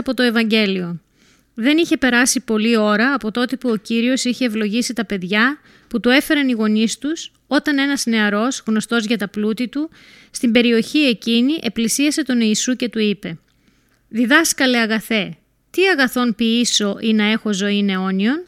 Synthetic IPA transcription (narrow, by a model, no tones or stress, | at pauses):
ɐpo̞t̪o̞e̞vɐɲɟe̞lio̞ | ðe̞niçe̞pe̞ɾɐsipo̞lio̞ɾɐːpo̞t̪o̞t̪epuo̞ciɾio̞siçe̞ːvlo̞ʝisit̪ɐpe̞ðʝɐ | put̪ue̞fe̞ɾɐniɣo̞nist̪us | o̞t̪ɐne̞nɐzne̞ɐɾo̞szɣno̞st̪o̞zʝɐt̪ɐplut̪it̪u | st̪imbe̞ɾio̞çie̞ciniʔe̞plisiɐse̞t̪o̞niisuce̞t̪uipe̞ | ðiðɐskɐleɐɣɐθe̞ | t̪iɐɣɐθo̞npiiso̞ʔinɐe̞xo̞zo̞ine̞o̞nio̞n